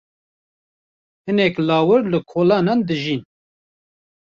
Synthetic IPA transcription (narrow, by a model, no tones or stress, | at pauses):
hɨnɛklɑːwɨɾlɨkʰoːlɑːnɑnd̪ɨʒin